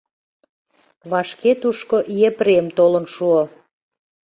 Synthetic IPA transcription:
βɑʃket̪uʃkoʔjepɾemt̪olə̆nʃuo

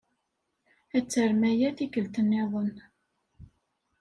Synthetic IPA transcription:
æt͡sːəɾmæjæθikəlt̪ənːeðˤən

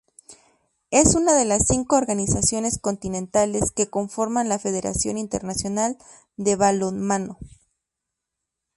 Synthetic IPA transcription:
e̞sunaðe̞lasːiŋko̞ːɾɣanisasjo̞ne̞sko̞nt̪inẽ̞nt̪ale̞ske̞ko̞ɱfo̞ɾmanlafe̞ðe̞ɾa̰sjo̞̰nint̪eɾnasjo̞nal | d̪e̞βalonmano̞

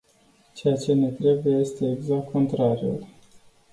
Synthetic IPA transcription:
t͡ʃe̞jat͡ʃe̞ne̞t̪ɾe̞bujeje̞st̪e̞ːɡzak̚t̪̚kʰo̞nt̪ɾaɾiṵl

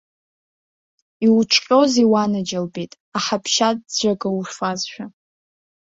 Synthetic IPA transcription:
iwʈ͡ʂʰʼqʲʼo̞ziwanɨd͡ʒalbetʼ | aħapʰʃadd͡ʒʷaɡawuʃfazʃᶣa

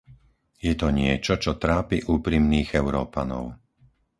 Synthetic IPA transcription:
jɛt̪ɔɲɪɛt͡ʃɔt͡ʃɔt̪ɾaːpiʔuːpɾimniːɣɛʊɾɔːpanɔ̰ʊ

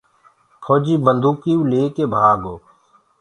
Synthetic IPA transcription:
kʰoːd͡ʒiːbənd̪uːkiːuleːkeːbʱaːɡoː

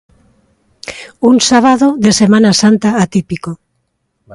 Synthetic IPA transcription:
uŋsaβaðoðesemãnasant̪aːt̪ipiko

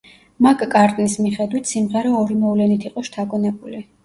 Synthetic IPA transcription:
makʼkʼaɾt̪ʼnismiχɛd̪wit̪ʰsimʁaɾɛɔɾimɔvlɛnit̪ʰiqʼɔʃt̪ʰaɡɔnɛbuli

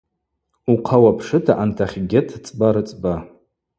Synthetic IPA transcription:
uqʰawapʰʂɨtʰaʔantʰaχʲɡʲɪtʰt͡sʼbaɾɨt͡sʼba

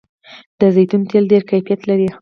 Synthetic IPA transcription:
d̪̥əzajt̪unt̪elɖeɾkajfijat̪laɾi

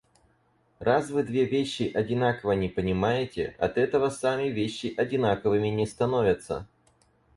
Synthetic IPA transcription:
rasvɨd̪vʲe̞vʲeɕːɪʔɐdʲɪnakəvənʲɪpənʲɪmajɪtʲɪ̰ɐ̰t̪ɛt̪əvəsamʲɪvʲeɕːɪʔɐdʲɪnakəvɨmʲɪnʲɪst̪ɐno̞vʲɪt̪sːə̰

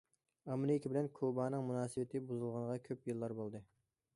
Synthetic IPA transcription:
ɑmnɨikʲʰibɪlɛnkʰobɑːnɨŋmunɑːsɨbɪt̪ʰɪbuzulˠʁɑɴʁɑkʲʰøpjɨlˠːɑɾbolˠd̪ɨ

